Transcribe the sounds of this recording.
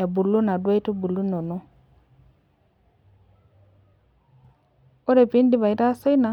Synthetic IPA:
a˨bu˨lːu˦na˨dwa˦i˦tu˦bu˨lu˦no˨no˦ | o˦ɾe˨pi˦ndi˦βa˨i˦ta˦se˦i˦na˨

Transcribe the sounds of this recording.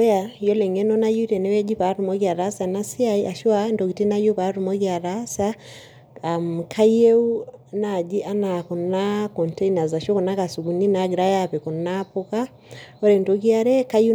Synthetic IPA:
ja˨jɔ˦lɛ˨ŋɛ˦nɔ˦na˦ju˦i˦tɛ˨nɛ˦wɛ˦d͡ʒi˦pa˨ɾu˨mɔ˦ki˦a˨ɾasa˨na˦si˦aia˨ʃwandɔ˨ki˨ti˦na˦ju˦pa˨ɾu˨mɔ˦kia˨ɾasa | mkʰa˦je˦u˦na˨d͡ʒi˦ʔa˦na˨kɔ˨nakɔ˨ntɛ˦ina˨za˨ʃɔ˦kɔ˨na˦ka˨su˨ɡu˨ni˦na˨ɡi˨ɾa˦japɛ˨kɔ˨napɔ˦ka˦ | ɔ˦ɾɛ˨ndɔki˦aɾɛ˦ka˦ju˦

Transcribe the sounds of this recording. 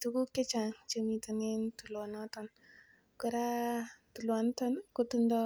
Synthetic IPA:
tuku˦ke˦t͡ʃa˨ŋt͡ʃəmi˨ta˨nentu˨lɔnɔtɔn | ku˦ɾa˦tu˨lwa˨ntɔnku˦tundɔ

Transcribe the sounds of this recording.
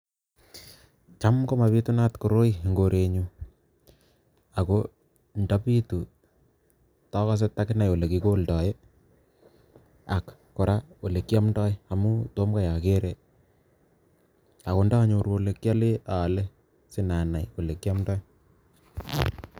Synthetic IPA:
t͡ʃa˦mko˦ma˨pi˦tu˦na˦tko˨ɾo˦i˦ŋɡo˨ɾe˨ɲu˨ | a˨ko˦ | nda˦pi˦tu˨ | tɔ˦ka˦s̬e˦ta˦kɪ˦na˨jo˨le˨ki˦ko˦ltɔ˨je˦ | a˨kː | o˨ɾa˦wo˨le˨kja˦mdɔ˦ja˨mu˦to˦mka˦ja˨ke˦ɾe˨ | a˨ko˨nda˦ɲo˨ɾwo˦le˨kja˦le˦a˨le˦ | sɪ˦na˨na˨jo˨le˨kja˦mdɔ˦j

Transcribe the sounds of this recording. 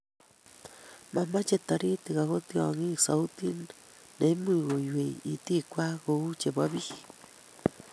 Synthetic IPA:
ma˨ma˦t͡ʃe˧t̪a˧ɾi˦t̪i˨ɣa˨ɣo˦t̪i˦˧a̰˨ŋi˦sa˨u˦t̪i˦nː | e˨˦mɨ˦˨ɣo˨ju˨e˨it̪i˦kʷa˦ɣo˧u˦t͡ʃe˨ba˦βi˦

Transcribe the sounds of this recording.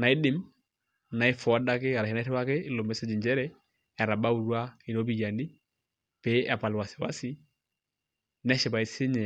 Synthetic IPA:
na˨i˦dɪ˦m | na˨i˦fɔ˨a˦da˦kɪ˦a˨ɾa˨hi˦na˦ɾɛ˦wa˦ke˦˨lo˨mɛ˨˦sɛ˦d͡ʒi˨ɲd͡ʒɛ˦ɾɛ˦ | a˨ɾa˨ba˦u˨ɾwa˦i˨ɾo˦bi˦˨ja˨ni˦ | pɛ˨˦a˨pa˨lwa˨sɪ˨wa̰˦sɪ˦ | nɛ˦ʃɪ˨pa˨i˦sɪ˦ɲɛ˨

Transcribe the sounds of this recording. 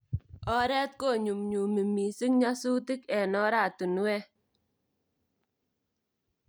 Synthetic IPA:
ɔ˦ɾɛ˦t̪̚ko˦˨ɲu˨mɲu˨mi˨mi˨sɪ˦ŋɲa˦su˦tɪ˦kɛ˨nɔ˦ɾa˨tu˨n˨wɛ˦

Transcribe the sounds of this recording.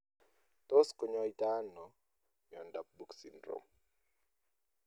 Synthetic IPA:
to˦sko˨ɲɔ˦i˦ta˦nɔ˨ | mjɔ˨nda˨p̚bu˦ksi˨ndɾo̰m

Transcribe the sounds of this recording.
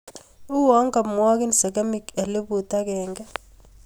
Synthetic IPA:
u˦wɔ˨˦ŋɡa˨mwɔ˦k̬i˦nsɛ˨ka˦mi˦kɛ˨lɪ˦bu˨ta˦kɛːŋɡa˦

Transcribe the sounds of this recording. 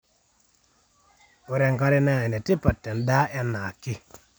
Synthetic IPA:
u˨ɾe˨ŋka˦ɾi˦na˦˨i˨nɛ˨ti˦pa˨tːe˨nda˦ʔɛ˦nːa˨ki˦

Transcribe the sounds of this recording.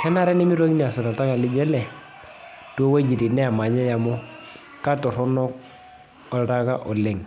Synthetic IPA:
kɛ˦na˦ɾɛ˦nɛ˦mi˦ɾo˦ki˦ni˦a˨sɔ˨ɾa˨ta˦ka˨lɪ˦d͡ʒɛ˦lɛ˨ | tɔ˦we˦d͡ʒi˨ti˨nɛ˦a˨ma˨ɲɛ˦ja˨mɔ˦ | ka˦tɔ˨ɾɔ˦nɔ˦k̚ | ɔ˨lɾa˦ka˦ʔɔ˨lɛ˨ŋ

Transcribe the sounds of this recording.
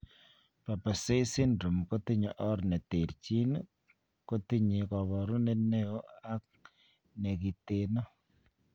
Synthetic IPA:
pa˨pa˨se˦si˦nɾu˨mko˦ti˦ɲɔ˨ʔɔ˦ɾne˨te˨ɾt͡ʃi˦n | ko˦ti˦ɲi˨kɔ˨βɔ˨ɾu˦ne˦ne˦o˦a˦k̚ | ne˨ki˨te˨nɔ˦

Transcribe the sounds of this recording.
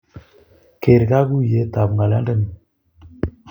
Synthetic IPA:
ke˨ɾɡa˦ɡu˦je˨˦ta˨bŋɡa˨la̰˦də˦˨n˨

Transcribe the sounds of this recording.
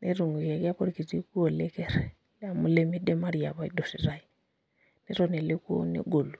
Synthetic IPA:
ne˦ɾu˨ŋu˨je˨ki˦a˦po˦ɾi˨ki˨ti˦ku˦o˨le˦kɛ˦ɾ | la˨mu˦le˦mi˦de˦ma˦ɾi˨a˨βa˦i˦do˨si˨ɾa˦i˨ | ne˦ɾɔ˨ne˨le˦ku˦o̰˦nḛ˦ɡo˨lu˨

